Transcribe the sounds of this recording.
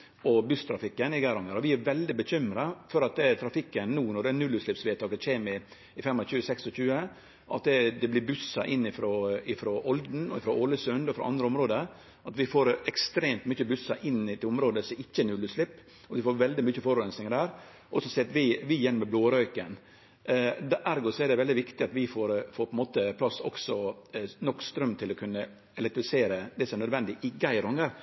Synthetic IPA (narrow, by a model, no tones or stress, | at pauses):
ɔbʉst̪ʰɾɑfɪkːənɪɡæɾɔŋəɾɔʋɪæɾʋɛld̪ɪbəçʏmɾɑfɔɾɑt̪ɛt̪ʰɾɑfɪkːənːuːnɔɖɛænʉlːʉslɪpsʋeːt̪ʰɑːɡ̪əc͡çeːmɪ | ɪfɛmːçʉːəsɛksɔçʉːə | ʔɑ̰t̪ɛd̪ɛblɪɾbʉsːɑʔɪnːɪfɾoɪfɾɔʔɔld̪n̩ɔɪfɾɔʔɔləsʉnd̪ɔɪfɾɔ̰ʔɑ̰nd̪ɾəʊmɾoːd̪ə | ɑt̪ʋɪfoːɾɛkst̪ɾeːmt̪myçəbʉsɑʔɪnːɪt̪ɪlʊmɾoːd̪əsɔɪçːəɛnʉlːʉslɪpː | ɔʋɪfoːɾʋɛld̪ɪmyçəfɔɾʉɾɛnsnɪŋəd̪æːɾ | ʔɔsɔsɛɑt̪ʋɪʋɪjɛnːmɛbloːɾœʏkən | d̪æʔæɾɡɔsɔɛd̪ɛʋɛld̪ɪʋɪkt̪ɪɑt̪ʋɪfoːɾfoːɾpʰɔɛnmoːt̪əpʰlɑsːɔ̰ksɔnɔkːst̪ɾœmːt̪ʰɪlɔkʰʉnːə | ɛlɛkt̪ɾɪfɪseːɾəd̪ɛsɔmænœd̪ʋɛnd̪ɪʔɪɡæɪɾʊŋəɾ